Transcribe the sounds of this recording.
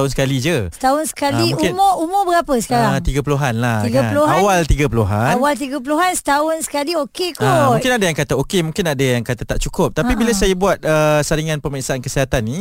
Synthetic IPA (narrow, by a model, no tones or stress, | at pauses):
aɦʊnsəkalid͡ʒəsət̪aɦʊnsə̥kalĩkuɪnmʊumʊbəɾapəsə̥kaɾat̪iɡapuluɦanlaɡaluawalt̪iɡapuluɦa̰nawalt̪̬iɡap̬uluɦansə̥t̪aɦʊnsə̥kaliokekaumũkɪnadajaŋkat̪aokemũŋkɪnadəjaŋkat̪at̪aʔt͡ʃukʊp̚t̪apibilasajabuat̪əsaɾiŋanpəməɾiksaankəsiɦat̪anːi